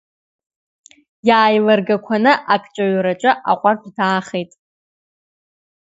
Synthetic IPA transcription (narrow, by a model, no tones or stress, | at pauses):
jaːjlarɡakʷʰanɨʔakʼt͡ʃʷʼaɥɾat͡ʃʷʼɨʔa̰qʷʼartʷʰʼdaːχejtʼ